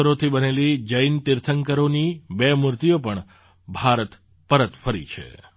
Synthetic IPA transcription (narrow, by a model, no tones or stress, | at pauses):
əɾot̪ʰibənelid͡ʒəjnt̪iɾt̪ʰəŋkəɾonibemʊɾt̪ijopəɳ | bʱaɾət̪ | pəɾət̪fəɾḭt͡ʃʰḛ